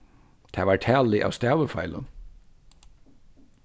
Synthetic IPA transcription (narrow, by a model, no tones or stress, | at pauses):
t̪ʰæːʋɑːʈʰæːlɪʔɑ̰ːʋst̪æːʋəfɑ̰ɪlə̰n